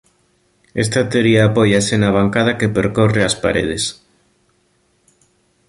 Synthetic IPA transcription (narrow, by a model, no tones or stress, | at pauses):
es̬t̪at̪eoɾiaːpojasenaβ̞aŋkað̞akepeɾkoreaspa̰ɾḛð̞es